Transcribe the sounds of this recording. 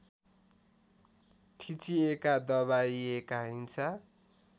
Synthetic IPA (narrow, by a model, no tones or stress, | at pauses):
ʈʰit͡siekad̪ʌβaiekaɦint͡sʰʌ